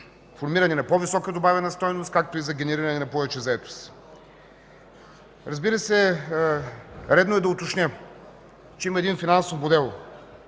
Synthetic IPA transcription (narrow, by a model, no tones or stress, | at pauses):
foɾmiɾɐnɛnɐpɔvisɔkəd̪obavʲɛnɐst̪ɔjnost̪̚kak̚t̪oizɐɡʲɛnɛɾiɾɐnɛnɐpɔvɛt͡ʃɛzɐɛt̪o̥s | ɾɐzbiɾəsɛ | ɾɛd̪noɛd̪ɐot̪ot͡ʃnʲə | t͡ʃɛiməɐɛd̪infinansofmod̪ɛlˠ